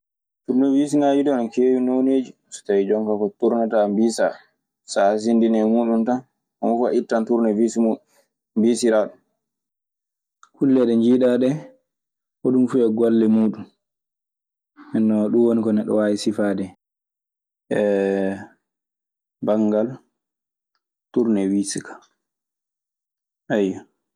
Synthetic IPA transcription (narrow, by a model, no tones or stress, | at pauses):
tuɾnɛvisinad͡ʒidɔnkeːwinoneːd͡ʒi | sɔ̥tajid͡ʒɔŋkakɔtuɾnatambisa̰ | sas̬indinɛmuːɗumtan | ɔmufa̰ʔitːantuɾnɛvisimuɗu | mbisiɾaɗum | kulːɛɗɛɲd͡ʒiːɗaɗɛ | ʔɔɗumfuɛɡwalːɛmuːɗum | ɛnːɔɗunwonikɔnɛɗɔ̰wajisifaːdɛ | ʔɛ | baŋɡal | tuɾnɛwisikʰḁ | ʔajːɔ